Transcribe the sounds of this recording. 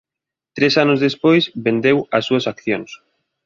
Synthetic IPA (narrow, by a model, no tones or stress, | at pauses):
t̪ɾesanʊzðespojsβend̪ewɐsːuɐsakθjoŋs